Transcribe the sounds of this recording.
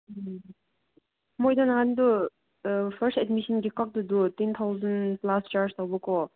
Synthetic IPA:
mɔjd̪anɦand̪u | pʰəɾstɛdmisənɡikak̚d̪ud̪utent̪ʰawzənplast͡ʃaɾst̪awbɔkɔ

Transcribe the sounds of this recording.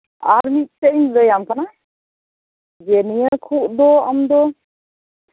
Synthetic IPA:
aɾmit̪̚ˀtɛɲləjamkana | d͡ʒɛnijakʰuʔd̪ɔamd̪ɔ

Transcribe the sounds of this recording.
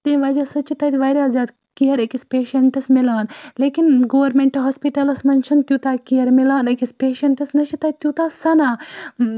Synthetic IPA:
t̪eːʋaːd͡ʒasɐt͡ʃʰːit̪aːt̪ʲʋajɾʲeɐzaːd̪ | kiɦɐɾekispeːʃɐɳʈɐsmilaːnleːkinɡoʋɐɾmeɳʈɐɦɐspiʈɐlɐsmɐnt͡ʃʰint̪ʲjut̪aːkiɦɐɾmilaːnɐkispeːʃɐɳʈɐsnɐʃit̪aːt̪ʲjut̪aːsɐnaː

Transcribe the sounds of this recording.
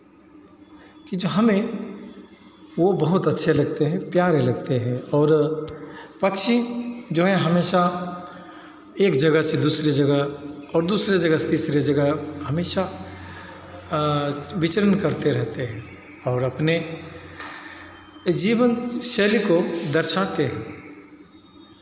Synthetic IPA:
kid͡ʒoɦɐmẽ | ʋobɐɦʊt̪ɐtːʃʰelɐɡ̚t̪eɦɛ̃pjaːɾelɐɡt̪eɦɛ̃ɔːɾ | pɐkʃid͡ʒoːɦɛɦɐmeːʃa | eːkd͡ʒɐɡəɦsed̪uːsɾed͡ʒɐɡəɦɔːɾd̪uːsɾed͡ʒɐɡəset̪iːsɾed͡ʒəɡəɦɦɐmeːʃa | ʋɪt͡ʃəɾənkəɾt̪eɾɛɦt̪eɦɛ̃ | ɔːɾɐpne | d͡ʒiːʋənʃeːlikod̪əɾʃaːt̪eɦɛ̃ː

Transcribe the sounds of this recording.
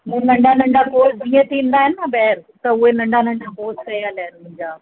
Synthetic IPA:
mʊ̃nɐ̃ɳɖanɐ̃ɳɖakoːtiẽt̪ʰĩːn̆d̪aːɦɪnɪnɐbɐɦɾt̪ɐʊɦenɐ̃ɳɖʱanɐ̃ɳɖakoːskɐjəlaɦnmʊ̃ɦɪ̃ɲd͡ʑaː

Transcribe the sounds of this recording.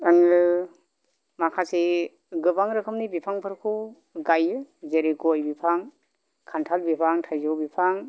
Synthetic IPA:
aŋɯ | makʰasi | ɡɯbaŋɾɯkʰɯmnibipʰaŋpʰɯɾkʰɯw | ɡajɯzeɾiɡɔjbipʰaŋ | kʰantʰalbipʰaŋtʰajzɔwbipʰaŋ

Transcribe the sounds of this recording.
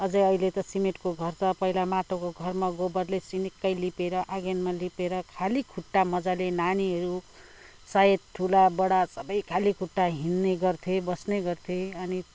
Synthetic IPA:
ʌd͡zʌjʌilet̪ʌsimeʈkoɡʱʌrt͡sʌpʌɦilamaʈokoɡʱʌrmaɡobʌrlesinikːʌjlipeɾʌʔaɡenmalipeɾʌkʰalikʰuʈːamʌd͡zalenaniɦʌɾu | sajet̪̚ʈʰulabʌɽasʌbʌjkʰalikʰuʈːaɦinːeɡʌrt̪ʰebʌsneɡʌrt̪ʰeʌni

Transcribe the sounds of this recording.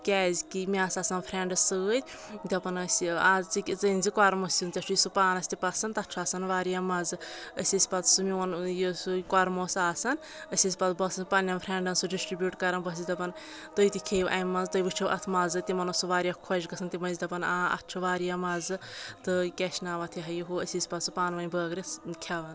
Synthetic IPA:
kʲɛːzʲkimiaːsasɐnpʰɾeɳɖɨsɨt̪ʲ | d̪ʲɐpɐnəsʲiat͡sit͡sɨnʲzikaɾmosʲunt̪ʲɐt͡ʃʰuisupaːnɐsʲt̪ʲipɐsɐnt̪ɐtt͡ʃʰaːsɐnʋaːɾjamɐzɨəsʲɐsʲpɐt̪sumiɐnjosukaːɾmosaːsɐn | əsʲis̬ʲipɐt̪bɐsɐnpɐnʲjɐmpʰɾeːɳɖɐnsuɖisʈɾibjuːʈkɐɾɐnbɐsid̪ɐpɐn | t̪ojt̪ikʲʰeːʋʔa̰jmːɐnzt̪ɐjbɨt͡ʃʰuʔɐ̰t̪ʰmɐzɨt̪imɐnɐsuʋaːɾʲijɐkʰod͡ʒkɐsʰɐnt̪imɐnzid̪ɐpɐnaːɐ̰tt͡ʃʰuʋaːɾijamɐzɨt̪ɨkʲɛʃnaːʋɐt̪ʰiɦɐjɦuəsʲisʲpɐt̪supaːnʋɐnʲbəːɡɾʲɐskʲʰɐʋɐn

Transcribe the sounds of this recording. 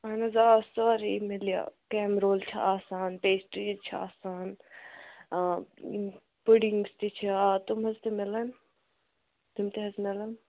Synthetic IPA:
anɐzaːsaːɾimɪlija̰kɛːmɾoːlt͡ʃʰa̰ʔaːsaːnpeːsʈɾiːt͡ʃʰa̰ːsaːn | puɖɪŋɡst̪it͡ʃʰiat̪ʊmɦɐzt̪emɪlan | t̪ʊmt̪eɦɐzmɪlan

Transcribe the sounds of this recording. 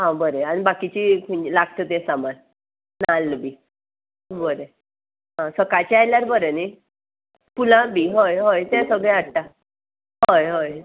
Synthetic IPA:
ɦãbəɾeañibakit͡ɕikʰulaɡt̪ət̪ẽsaman | nalːbi | bəɾe | ɦãsəkajt͡ɕiajljaɾbəɾeni | pulãbiɦojɦojt̪ɛ̃səɡɭeaɽʈa | ɦojɦoj

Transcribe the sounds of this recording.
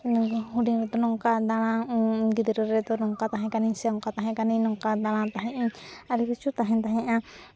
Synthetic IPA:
huɖiŋɾɛt̪ɔnɔŋkad̪al̃aɡid̪ɛɾɔɾɛt̪ɔnɔŋkat̪aɦɛ̃kanisɛɔŋkat̪aɦɛ̃kaninɔŋkad̪alãt̪aɦɛ̃ʔaɾikit͡ʃut̪aɦɛ̃nt̪aɦɛ̃ʔa

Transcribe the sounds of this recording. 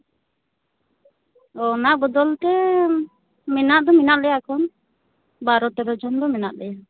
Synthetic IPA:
ɔnaʔbɔd̪ɔlt̪ɛ | mɛnaʔd̪ɔmɛnaʔlɛjaakʰɔn | baɾɔt̪ɛɾɔd͡ʒɔnd̪ɔmɛnaʔlɛja

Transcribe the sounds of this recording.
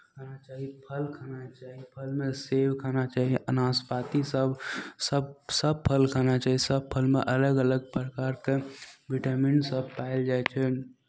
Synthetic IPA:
kʰanat͡ʃaːɦipʰəlkʰanat͡ʃaːɦipʰəlmesewkʰanat͡ʃaːɦiʔənaːspat̪isəbsəbsəb̚pʰəlkʰanat͡ʃaːɦisəb̚pʰəlmeʔələɡələɡ̚pɾəkaɾkeʋiʈəminsəb̚paɪld͡ʒajt͡ʃʰɛ

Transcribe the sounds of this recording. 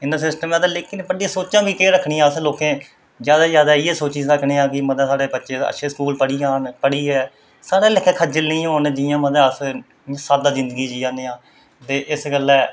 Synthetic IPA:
ɪnəɾsɪsʈəmɛːd̪aːleːkːiːnepəɽiãːsoːt͡ʃãːʋiːkeːɾəkʰːɳĩːãːəsloːkẽː | zjaːd̪aːzjaːd̪aːiːeːsoːt͡ʃiːsəkʰɳĩːãːkɪməd̪ɛːsaːɽeːbətːʃeːə̰ʃʰeːsəkuːlpəɽiːaːnpəɽiːɛː | saːɽeːlekʰːɛːkʰəd͡ʒɪlĩːɦoːnd͡ʒiːãːməd̪ɛːəs | ãsaːd̪aːzɪ̃nd̪əɡiːd͡ʒiːãːeːãː | t̪eːʔɪsɡəlɛː

